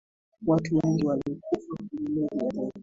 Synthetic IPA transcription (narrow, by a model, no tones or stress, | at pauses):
watuwɛŋɡiwaliɔkufakuilɛa